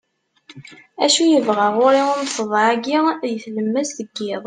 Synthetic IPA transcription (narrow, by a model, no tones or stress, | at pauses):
æʃujəvʁaʁʊɾiʊɾfəðˤæɡijəθləmːəsθəɡːɪðˤ